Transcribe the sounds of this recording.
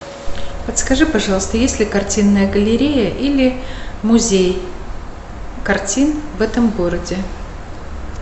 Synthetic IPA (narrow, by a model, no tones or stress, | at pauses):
pət̪skɐʐɨpɐʐɑlˠəst̪əjesʲlʲɪkɐrtʲinːəjəɡəlʲɪɾʲejəʔilʲɪmʊzʲej | kɐrtʲinvɛt̪əmɡo̞ɾədʲɪ